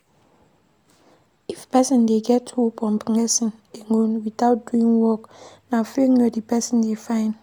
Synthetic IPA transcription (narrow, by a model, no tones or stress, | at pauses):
ifpɛsɪ̃ndeɡɛtʰopʰɔ̃mpiŋɛsĩneŋonwitaʊt̚duĩŋwɔknafeŋɛdipɛsĩndefãɪ̃n